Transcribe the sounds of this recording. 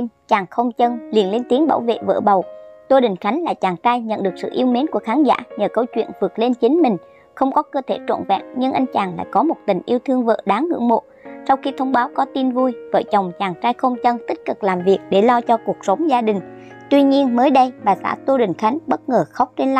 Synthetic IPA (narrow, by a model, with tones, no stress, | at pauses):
t͡ɕaː˨˩ŋxə˧wŋ͡mt͡ɕə˧nli˨˩ənle˧nt̪i˨˦əŋɓa̰ː˧˩wvḛ˧˨və̰ː˧˩ɓə˨˩wt̪o˧ɗï˨˩ŋ̟xa˨˦jŋ̟la̰ː˧˨jt͡ɕaː˨˩ŋt͡ɕaː˧jɲə̰˧˨nɗɨ˨˩ək̚sɨ̰˧˨ʔi˧əwme˨˦nku˧˩əxaː˨˦nza̰ː˧˥ɲəː˨˩kə˧wt͡ɕwḭ˧˨ənvɨ˨˩ət̚le˧nt͡ɕi˨˦ŋ̟mï˨˩ŋ̟ | xə˧wŋ͡mkɔ˨˦kəː˧t̪ʰe˧˩t͡ɕo̰˧˨nvɛ̰ː˧˨nɲɨ˧ŋʔa˧jŋ̟t͡ɕaː˨˩ŋla̰ː˧˨jkɔ˨˦mo˨˩t̚t̪ï˨˩ŋ̟ʔi˧əwt̪ʰɨ˧əŋvə̰ː˧˨ɗaː˨˦ŋːɨ̰˧˥əŋmo̰˧˨ | sa˧wxi˧t̪ʰə˧wŋ͡mɓaː˨˦wkɔ˨˦t̪i˧nvu˧jvəː˧˩jt͡ɕə˨˩wŋ͡mt͡ɕaː˨˩ŋt͡ɕaː˧jxə˧wŋ͡mt͡ɕə˧nt̪i˦˥k̚kɨ˨˩k̚laː˨˩mvi˨˩ək̚ɗe˧˩lɔ˧t͡ɕɔ˧ku˨˩ək̚sə˨˦wŋ͡mzaː˧ɗï˨˩ŋ̟ | t̪wi˧ɲi˧ənməː˨˦jɗə˧jɓaː˨˩sa̰ː˧˥t̪o˧ɗï˨˩ŋ̟xa˨˦jŋ̟ɓə˦˥t̚ŋəː˨˩xa˦˥wk͡p̚t͡ɕe˧nl